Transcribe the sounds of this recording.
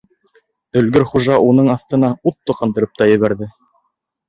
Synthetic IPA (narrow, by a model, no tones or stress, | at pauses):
ɵ̆lɡɵɾχuʒɑʔunɤɴɑθt̪ɤ̆nɑut̪ːɤqɑ̆nd̪ɤ̆ɾɤp̚t̪ɑjɘ̆βæɾðɘ